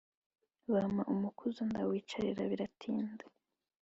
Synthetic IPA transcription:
βamaʔumukʰuzundawiːt͡ʃaɾiɾaβiɾatʰiːnde

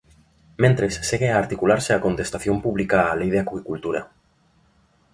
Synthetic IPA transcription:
mẽnt̪ɾesːeɣeaːɾt̪ikulaɾseako̞nt̪e̞st̪aθjo̞mpuβlikaːlejð̞eakwikult̪uɾa̰

